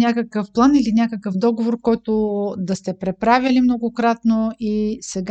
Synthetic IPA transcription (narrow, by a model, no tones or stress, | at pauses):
nʲakəkəfplˠanilinʲakəkəfd̪ɔɡovoɾkɔjt̪od̪ɐst̪ɛpɾɛpɾavʲilimnoɡʊkɾat̪noisɛɡ